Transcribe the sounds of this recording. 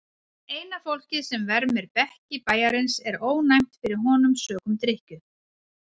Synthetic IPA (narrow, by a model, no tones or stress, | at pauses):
eːjnafowl̥cɪsɛmvɛɾmɪɾpɛhcɪpaːjaɾɪnsɛɾoːwnajm̥t̪fɪɾɪɾ̥ɦɔnʏmsœːkʏmt̪ɾɪhcʏ